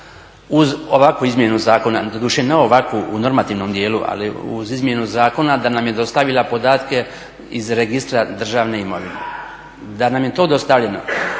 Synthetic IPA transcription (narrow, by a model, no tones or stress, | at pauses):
uzoʋakuizmje̞nuzaːko̞nad̪od̪uːʃeneoʋakʋuuno̞ɾmat̪iːʋno̞md̪je̞ːluʔa̰liṵzizmje̞nuzaːko̞nad̪anamjed̪o̞st̪aʋilˠapod̪aːt̪ke̞ | izɾeɡist̪ɾad̪r̩ʒaːʋne̞imo̞ʋine | d̪anamje̞t̪o̞ːd̪o̞st̪aʋʎeno̰